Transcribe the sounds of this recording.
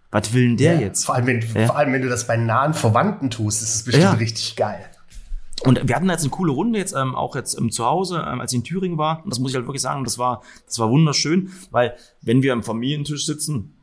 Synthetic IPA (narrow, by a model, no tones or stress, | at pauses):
vatv̥ɪlndeːɐjɛt͡stfɔɐʔaləmvɛnɔɐʔaləmvɛnduːdasb̥aɪnaːənfɛɐvantn̩tʰuːstɪstasb̥əʃtɪaːmmtʁɪçtɪçɡ̥aɪl | ʔʊntviːɐhatndaːjɛt͡snəkʰuːləʁ̞ʊndəjɛt͡stʔɛːmʔa̰ʊxjɛt͡stʔɛ̰ːmt͡suhaʊzəʔɛ̰ːmʔa̰lsɪçɪntʰyːʁɪŋəvaːɐʊnd̥asmʊsɪçhaltv̥ɪɐklɪçz̥a̰ːŋʊntd̥asv̥aːɐd̥asv̥aːɐvʊndɐʃøːnvaɪl | vɛnviːɐamfamiːljəntʰɪʃz̥ɪt͡sn̩